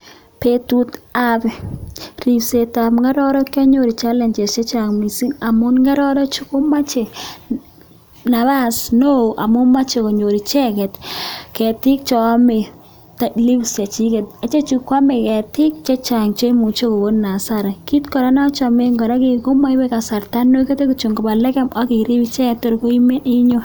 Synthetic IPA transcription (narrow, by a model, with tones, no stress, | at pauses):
pe˨tu˦t̪a˦bɛ˨ɾi˨bse˨ta˨mŋɡa˦ɾɔ˦ɾɔ˦kɔ˦ɲo˨ɾi˨t͡ʃa˦lɛ˨nd͡ʒɛ˨t͡ʃɛ˦t͡ʃa˨ŋmi˨si˦ŋa˨mʊ˦nŋɡa˦ɾɔ˦ɾɔ˦t͡ʃʊ˦kʊ˦ma˦t͡ʃe˨ | na˨βa˦sno˦˨ʔa˨mʊ˦nma˦t͡ʃe˨ko˨ɲo˨ɾi˨t͡ʃɛ˦ɡɛ˨tkɛ˨tɪ˦k̚t͡ʃɔ˨˦me˨ | tli˦bst͡ʃa˨t͡ʃi˦kɛ˨t̚a˨t͡ʃe˦t͡ʃu˨kːwa˦me˨kɛ˨tɪ˦k̚t͡ʃe˦t͡ʃa˨ŋt͡ʃe˦mu˨t͡ʃo˦ko˨bo˦nna˨saɾa˨ki˦tkɔ˨ɾa˦na˦t͡ʃɔ˨me˦ŋɡɔ˨ɾa˦ke˨ko˦ma˦i˦bɛ˦ka˨sa˨ɾta˦nːo˦ke˦te˦ko˨t͡ʃo˨ŋkɔ˨ba˨lɛ˦kɛ˦ma˦ki˨ɾi˦bi˦t͡ʃɛ˦kɛ˦tːo˨ɾko˦i˦me˦ni˦ɲo˦